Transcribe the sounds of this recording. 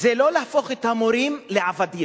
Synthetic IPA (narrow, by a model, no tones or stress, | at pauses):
zelo̞leafo̞χet̪hamoɾimleavad̪i